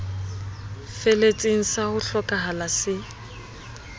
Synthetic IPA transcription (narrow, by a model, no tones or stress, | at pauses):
felet͡sʼiŋ̩sahʊɬɔkʼaɦalasɪ